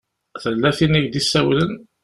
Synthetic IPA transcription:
θəlːæθiniʝd̪isːæwlən

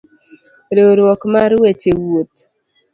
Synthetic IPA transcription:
ɾeɾwɔkmaɾwet͡ʃewot̪

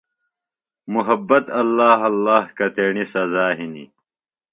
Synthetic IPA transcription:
muɦɐbːɐt̪ɐlːaːɦɐlːaːhkɐt̪eːɳisɐzaːɦinḭ

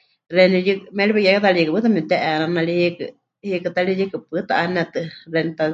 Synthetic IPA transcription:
rɛnijɨkmɛlibajakat̪alijikɨpɨt̪amɛt̪ɛʔɛnanalihikɨ | hikɨt̪alijikɨpɨt̪aʔanɛt̪ɨrɛnit̪a

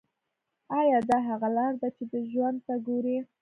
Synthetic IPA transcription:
ɑjɑd̪ɑɦaɣalɑɾd̪at͡ʃed̪əʒwand̪̚t̪aɡoɾi

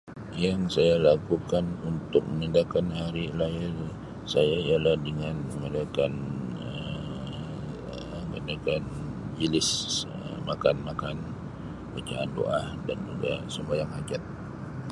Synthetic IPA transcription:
jaŋsajalakukanunt̪ʊk̚mənindakanhaɾilaɪr | sajaijalahdəŋanəŋəndakanəm | ɡəndakand͡ʒilɪs | ə̰makanmakan | bat͡ʃa̰a̰ndo̰ʔahdand͡ʒuɡasəmbajaŋhad͡ʒat̪̚

